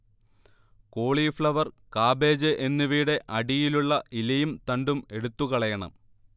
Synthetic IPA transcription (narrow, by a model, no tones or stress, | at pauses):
koːɭifɭɐʋɐrkaːbe̞ːd͡ʑɨʔenːiʋiːɽe̞ʔɐɽijiluɭːɐʔilɐjumt̪ɐɳɖume̞ɽut̪ːukɐɭɐjɐɳɐ̰m